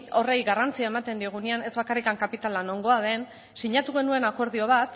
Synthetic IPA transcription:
o̞rejɣarant͡siae̞mat̪e̞nd̪ioɣuniane̞zβakarikaŋkapit̪alano̞ŋɡo̞að̞e̞n | siɲat̪uɣ̞e̞nue̞nako̞ɾð̞io̞β̞at̪

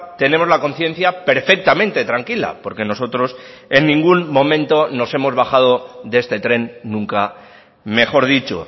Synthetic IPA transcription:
t̪e̞nemo̞zlako̞n̟θje̞n̟θjape̞ɾfe̞k̚t̪amẽ̞nt̪e̞t̪ɾaŋkila̰po̞ɾke̞no̞so̞t̪ɾo̞s | e̞nːĩŋɡunmõ̞mẽ̞nt̪o̞no̞se̞mo̞zβaxað̞o̞ðee̞st̪e̞t̪ɾe̞nːũŋka | me̞xo̞ɾð̞it͡ʃo̰

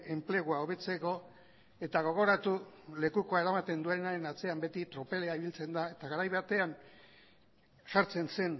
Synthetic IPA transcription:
e̞mple̞ɣoaoβ̞e̞t͡se̞ko̞ | e̞t̪aɣ̞o̞ɣ̞o̞ɾat̪ule̞kuko̞ae̞ɾamat̪e̞nd̪uenaɾe̞nat͡se̞ambe̞t̪it̪ɾo̞pe̞le̞aiβilt͡se̞nd̪ae̞t̪aɣaɾajβat̪e̞an | ʃaɾt͡se̞nse̞n

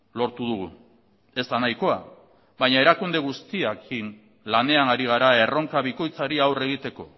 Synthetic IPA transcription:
lo̞ɾt̪uð̞uɣu | e̞zt̪anajko̞a̰ | βaɲae̞ɾakund̪e̞ɣ̞ust̪iakʰin | lane̞anaɾiɣ̞aɾae̞ro̞ŋkaβiko̞jt͡saɾiawre̞ɣ̞it̪e̞ko̞̰

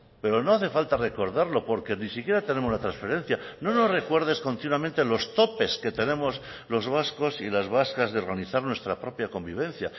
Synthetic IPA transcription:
pe̞ɾo̞no̞aθe̞falt̪are̞ko̞ɾðaɾlo̞po̞ɾke̞nisikje̞ɾat̪e̞ne̞mo̞zlat̪ɾansfe̞ɾe̞n̟θjano̞no̞zre̞kwe̞ɾð̞e̞sko̞nt̪inwament̪e̞lo̞st̪o̞pe̞ske̞t̪e̞ne̞mo̞s | lo̞zβasko̞silazβ̞askazðeo̞ɾɣaniθaɾnwe̞st̪ɾapɾo̞pjako̞mbiβ̞e̞nθja

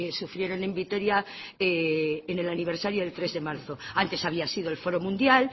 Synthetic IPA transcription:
esufɾje̞ɾo̞nẽ̞mbit̪o̞ɾjaeːne̞laniβ̞eɾsaɾjoðe̞lt̪ɾe̞zðe̞maɾθoant̪e̞saβ̞iasið̞oe̞lfo̞ɾo̞mũnd̪jal

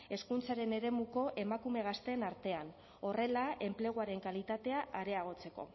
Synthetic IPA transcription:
e̞skunt͡saɾe̞ne̞ɾe̞muko̞ʔe̞makume̞ɣ̞ast̪e̞ːnaɾt̪e̞an | o̞re̞lae̞mple̞ɣ̞uaɾe̞ŋkalit̪at̪e̞aʔaɾe̞aɣ̞o̞t͡se̞ko̞̰

